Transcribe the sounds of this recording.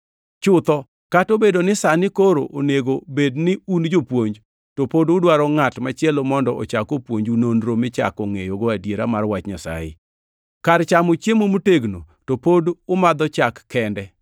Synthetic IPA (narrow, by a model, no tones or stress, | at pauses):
t͡ʃʊt̪ɔ | katobedonɪsanɪkoɾo̰ʔoneɡobednɪund͡ʒopwoɲd͡ʒ | topodʊdwaɾɔŋatmat͡ʃɛlomɔndɔʔo̰t͡ʃakopwoɲd͡ʒunonɾomɪt͡ʃa̰koŋḛjoɡoadjeɾamarwat͡ʃɲasa̰ɪ̰ | kart͡ʃamot͡ʃjemomuteɡno̰ | topodʊmad̪ɔt͡ʃakːɛndɛ